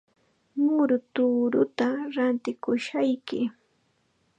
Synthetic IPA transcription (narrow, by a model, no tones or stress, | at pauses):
mʊɾʊt̪uːɾʊt̪aɾant̪ɪkʊʃajkɪ